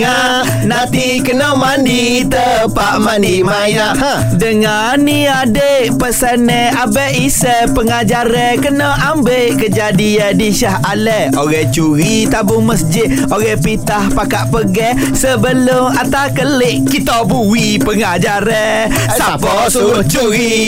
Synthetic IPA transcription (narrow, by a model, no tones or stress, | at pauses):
a | nãt̪i | kənɔmandi | t̪ə | paʔmandimaja | dəŋa | nːi | adeʔpəsənɛ | abɛʔisɛ | pəŋad͡ʒaɾɛkənɔʔambeʔkəd͡ʒadiadiʃahalɛ | oɣɛt͡ʃuɾit̪abʊməsd͡ʒɪt̪̚ | oɣɛhpit̪ahpakaʔpəɡɛ | səbəlʊmat̪akəlɪʔkit̪ɔbuwi | pəŋad͡ʒaɾɛ | sapɔsuut͡ʃuɾi